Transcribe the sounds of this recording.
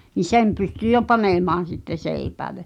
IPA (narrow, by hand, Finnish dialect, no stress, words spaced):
ni sem pysty jo pɑneˑmɑːn̞ sitːe seˑipæːle